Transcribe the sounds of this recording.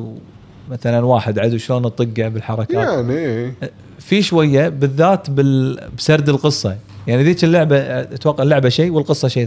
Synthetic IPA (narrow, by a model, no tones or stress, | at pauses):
maθalanwaːħɪd̪ʕad̪uʃloːnt̪ˤːɨɡːabɪlħɑɾˤɑkaːaʕni | fiʃwajːabɪðːaːt̪bɪbsɑɾˤd̪ɪlqɨsˤːɑjaʕniʔðiːt͡ʃɪlːaʕbat̪wɑqːaʕlːʊʕbaʃiːwɪlqɨsˤːɑʃiː